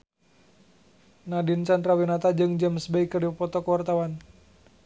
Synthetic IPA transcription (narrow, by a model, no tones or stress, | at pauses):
nadint͡ʃant̪ɾawinat̪ad͡ʒɨŋd͡ʒəmsbɛikːərdiəpɔt̪ɔkəwart̪awan